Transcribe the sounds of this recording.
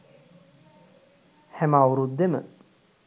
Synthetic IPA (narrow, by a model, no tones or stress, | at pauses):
hɛmawuɾud̪d̪emə̰